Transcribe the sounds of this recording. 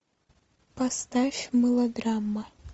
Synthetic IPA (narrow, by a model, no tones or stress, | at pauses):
past̪afʲmɨlˠɐɡramːɐ